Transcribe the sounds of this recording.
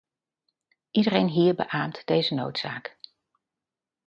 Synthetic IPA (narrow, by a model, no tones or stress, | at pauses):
ʔidərejnɦiːɹbə̰ʔaːmtd̥ejzəno̰wtsaːk